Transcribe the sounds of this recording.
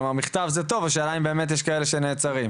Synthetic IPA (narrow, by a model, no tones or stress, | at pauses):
maʁmiχt̪avzet̪o̞vaʃ̬alaimbe̞ːmet̬jeʃkaeleʃeneːt͡saʁim